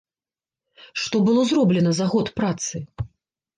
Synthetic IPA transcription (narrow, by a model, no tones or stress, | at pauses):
ʂt̪ɔbɨlˠɔzrɔblʲɛnɐzaɣɔt̪pɾat̪sɨ